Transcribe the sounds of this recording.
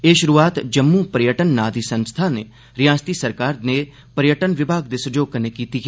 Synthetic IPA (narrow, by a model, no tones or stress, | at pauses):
eːʃʊɾuːaːt̪d͡ʒəmːũːpəɾjəʈənːaːd̪iːsənst̪ʰaːneː | ɾɪjãːst̪iːsəɾkaːɾneː | pəɾjəʈənʋɪbʱaːɡ̚d̪esʊd͡ʒoːɡ̚kəneːkiːt̪ikː